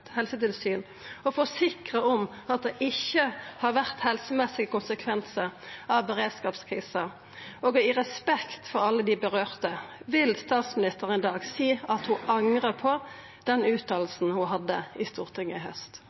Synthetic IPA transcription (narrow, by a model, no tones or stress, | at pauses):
hɛlsət̪ɪlsyːn | ɔfɔsɪkʁəɔm | ɑt̪̚d̪ɛʔɪçːəhɑɾʋæʁt̪hɛlsəmɛsɪəkʊnsəkʰʋɛnsəʁɑʋbəʁeːd̪skɑːpskʰʁḭːsə | oːɡɪʁɛspɛkt̪fɔɾɑlːəd̪ɪbəʁøːʁt̪əʋɪlst̪ɑːt̪smɪnɪst̪əʁəɛnd̪ɑːɡsiːɑt̪hʊʔɑŋʁəpʰɔ | d̪ɛnʉːt̪ɑːlsn̩hʊɦɑd̪ːəɪst̪uːʁt̪ʰɪŋːəɪɦhœst̪